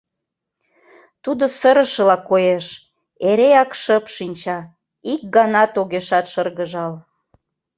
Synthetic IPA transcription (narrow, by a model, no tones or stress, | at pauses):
t̪ud̪osəɾəʃə̆lɑkːojeʃ | eɾeɑkʃəpʃinʲt͡ɕɑ | ik̚ɡɑnɑt̪oɣeʃɑt̪ʃərɣəʒɑl